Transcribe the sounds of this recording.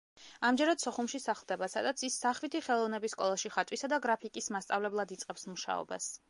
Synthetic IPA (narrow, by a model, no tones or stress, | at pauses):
amd͡ʒɛɾad̪̥sɔχumʃisaχlˠd̪ɛbasa̰d̪at̪sʰisːaχvit̪ʰiχɛlˠɔvnɛbisːkʼɔlˠaʃiχat̪ʼwisad̪aɡɾapʰikʼismast̪sʼa̰vlɛblˠad̪it̪sʼqʼɛpsmuʃa̰ɔ̰ba̰s